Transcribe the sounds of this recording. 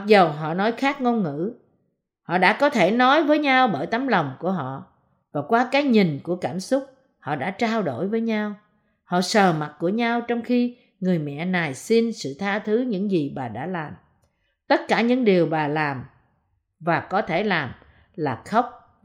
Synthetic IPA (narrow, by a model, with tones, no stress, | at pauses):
k̚zə˨˩wɦɔ̰˧˨nɔ˨˦jxaː˦˥k̚ŋo˧nŋɨ̰˧˥ | hɔ̰˧˨ɗa̰ː˧˥kɔ˨˦t̪ʰe˧˩nɔ˨˦jvəː˨˦jɲa˧wɓəː˧˩jt̪a˨˦mlə˨˩wŋ͡mku˧˩əɦɔ̰˧˨ | vaː˨˩kwaː˧kaː˨˦jɲi˨˩ŋ̟ku˧˩əkaː˧˩msʊ˦˥k͡p̚ | hɔ̰˧˨ɗa̰ː˧˥t͡ɕaː˧wɗo˧˩jvəː˨˦jɲa˧w | hɔ̰˧˨səː˨˩ma˨˩t̚ku˧˩əɲa˧wt͡ɕɔ˧wŋ͡mxi˧ | ŋɨ˨˩əjmɛ̰˧˨na˨˩jsi˧nsɨ̰˧˨t̪ʰaː˧t̪ʰɨ˨˦ɲɨ̰˧˥ŋzi˨˩ɓaː˨˩ɗa̰ː˧˥laː˨˩m | t̪ə˦˥t̚kaː˧˩ɲɨ̰˧˥ŋɗi˨˩əwɓaː˨˩laː˨˩m | vaː˨˩kɔ˨˦t̪ʰe˧˩laː˨˩m | laː˨˩xə˦˥wk͡p̚